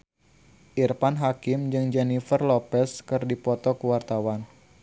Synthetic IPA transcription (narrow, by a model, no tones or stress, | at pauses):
ʔirpanɦakɪmd͡ʒɨŋd͡ʒɛnifərlɔpɛskɨrdipɔt̪ɔkəwart̪awan